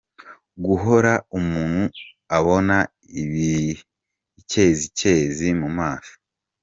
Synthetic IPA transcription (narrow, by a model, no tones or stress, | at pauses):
ɡuɦo̞ɾaumuːn̥hu | aβo̞na | iβi | ce̞ːzice̞ːzimumaːʃo̥